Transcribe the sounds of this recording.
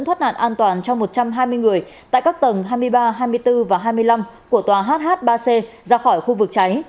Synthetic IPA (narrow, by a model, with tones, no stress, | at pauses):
t̪ʰə˦˥t̚na̰ː˧˨nʔaː˧nt̪waː˨˩nt͡ɕɔ˧wŋ͡mmo˨˩t̚t͡ɕa˧mɦaː˧jmɨ˧əjŋɨ˨˩əjt̪a̰ː˧˨kaː˦˥k̚t̪ə˨˩nɦaː˧jmɨ˧əjɓaː˧ɦaː˧jmɨ˧əjt̪ɨ˧vaː˨˩ɦaː˧jmɨ˧əjla˧mku˧˩ət̪waː˨˩ɦaː˦˥t̚ɦaː˦˥t̚ɓaː˧se˧ | zaː˧xɔ˧˩jxu˧vɨ˨˩k̚t͡ɕa˨˦j